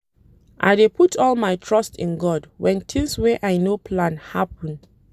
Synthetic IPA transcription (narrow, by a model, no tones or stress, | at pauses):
ʔa̰jdepʰutʰɔlmajtʰɹʌstʰḭ̃nɡɔdwɛ̃ntʰĩŋswɛʔajnopʰlãnhapə̃n